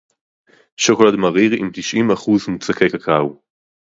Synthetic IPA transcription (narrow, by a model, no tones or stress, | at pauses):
ʃokolad̪maʁiʁimt̪iʃʔimaχuzmut͡sakekakʰaw